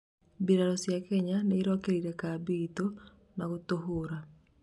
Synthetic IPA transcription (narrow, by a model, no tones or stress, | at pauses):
biɾaɾɔsjakɛɲaneːɾɔkeɾiɾɛkabito | naɣotoɦoɾa